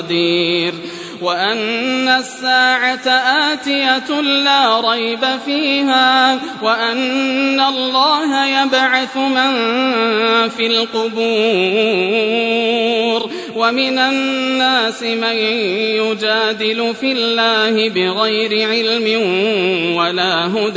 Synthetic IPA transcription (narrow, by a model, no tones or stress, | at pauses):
d̪iːɾ | waʔanːasːaːʕat̪aʔaːt̪ɪjalaːɾˤɑjbafiːɦaːwaʔanːalˤːɑːɦajabʕaθʊman | filqʊbuː | ɾ | wamɪnaːaːsɪmajjʊd͡ʒaːd̪ɪlʊfɪlːaːhɪbɪɣajɾɪʕɪlmɪnwalaːɦʊd̪